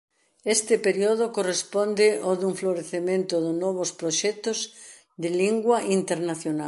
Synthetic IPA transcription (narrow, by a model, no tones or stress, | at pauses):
est̪ɪpeɾjoðokorespond̪ɪʔoðuɱfloɾeθemẽnt̪ʊðʊnɔβospɾoʃɛt̪oz | ðɪliŋɡwaʔint̪eɾnaθjonal